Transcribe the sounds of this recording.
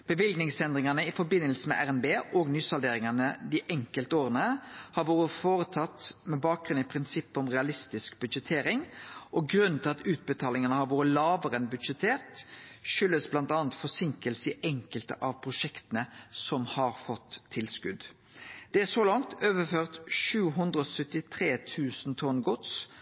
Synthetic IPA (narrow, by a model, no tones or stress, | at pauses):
b̥əʋɪlɡnɪŋsɛnd̪ʁɪŋɑnəɪfɔɾbɪnːəlsəmɛ̰ʔæʁɛnbeːʔɔɡnyːsɑld̪eːɾɪŋɑnəd̪iʔɛŋkəlt̪əoːʁənəhɑɾʋoːɾəfoːɾət̪ʰɑt̪ːmɛbɑːk̚ɡʁʉnɪpʰʁɪnsɪpːəɔmʁɛɑlɪst̪ɪskbʉd̪d͡ʒət̪ʰeːɾɪŋʔɔɡɾʉnnt̪ʰɪɑt̪ʉːt̪̚bət̪ʰɑːlɪŋənəhɑɾʋuːɾəlɑːʋəʁənbʉd̪ʂət̪ʰeːʁt̪ʃʏlːəsblɑnt̪ɑːənt̪fɔsɪŋkəlsəɪʔɛŋkəlt̪ə̰ʔɑʋpʰʁʊʂɛkt̪ənəsɔmhɑɾfɔt̪ʰːɪlskʉd̪ | d̪̥ɛæsoːlɑŋt̪øːʋəføːʁt̪ʃʉːɦʉnd̪ʁəɔsœt̪ːɪt̪ʰɾeːt̪ʰʉːsnt̪ʰɔnɡʊt̪s